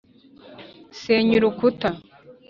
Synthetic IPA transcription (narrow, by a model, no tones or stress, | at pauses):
seːɲuɾukuta